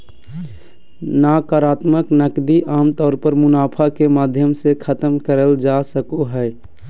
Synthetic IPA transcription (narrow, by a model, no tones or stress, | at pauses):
nakaːɾaːt̪məknəkd̪iʔaːmt̪ɔːɾpəɾmʊnaːpʰakemaːd̪ʱjəmsekʰət̪əmkəɾəld͡ʒasəkoɦɛː